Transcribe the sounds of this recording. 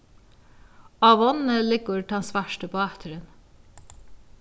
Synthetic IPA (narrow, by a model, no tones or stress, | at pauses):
ɑʋɔnəlɪɡʊɾʈʰɑnsʋæʃʈəpʰoːæt̪ʰəɾən